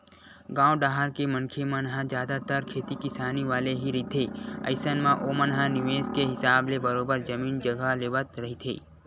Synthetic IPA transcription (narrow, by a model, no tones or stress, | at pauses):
ɡãːwɖaːɦəɾkemə̃nkʰemɐnɦãd͡ʒjaːd̪at̪əɾkʰeːt̪ikɪsaːniʋaːleɦiɾɦit̪ʰeːə̰ɪsənmãʔoːmənɦanɪʋeːskeɦɪsaːblebɐɾoːbəɾd͡ʒɐmiːnd͡ʒɐɡaleːʋət̪ɾɐɦit̪ʰḛː